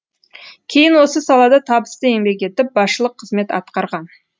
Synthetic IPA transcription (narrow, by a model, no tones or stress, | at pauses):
kʲʰe̞jɪnwo̞səsɑlˠɑd̪ɑt̪ʰɑbəst̪əe̞ŋbe̞kʲe̞t̪ɪp̚bɑsʃəlˠəqʰːəzme̞t̪ɑ̰t̪qɑɾʁɑn